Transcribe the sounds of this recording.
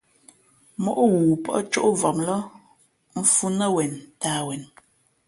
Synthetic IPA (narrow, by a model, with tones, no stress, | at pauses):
mɔ˨ʔo˦wuː˨pɔ̰˦t͡ʃo˦ʔvɔ˨mlə˦ | m̩˨fu˦nə˦wɛ˨ntaː˨wɛ˨n